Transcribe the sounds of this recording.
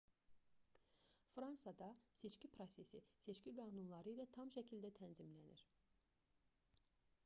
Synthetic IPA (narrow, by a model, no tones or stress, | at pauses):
fɾɑnsɑd̪ɑse̞t͡ʃcipʰɾose̞sise̞t͡ʃciɡɑːnunlˠɑɾɯilæt̪ʰɑmʃæcʰilʲd̪æt̪ʰænzimlænḭɾ̥